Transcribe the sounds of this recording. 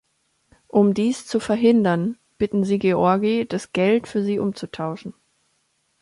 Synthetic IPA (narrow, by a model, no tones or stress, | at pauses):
ʔʊmdiːst͡sufɛɐɦɪndɐn | b̥ɪtn̩ziːɡeɔɐɡid̥asɡ̥ɛltfyːɐziːʔʊmt͡sutʰaʊʃn̩